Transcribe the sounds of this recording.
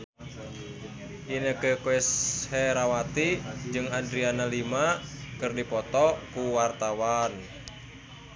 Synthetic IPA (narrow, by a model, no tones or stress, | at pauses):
ʔinəkəkoɛshɛɾawat̪id͡ʒɨŋandɾianalimakɨrdipɔt̪ɔkuwart̪awan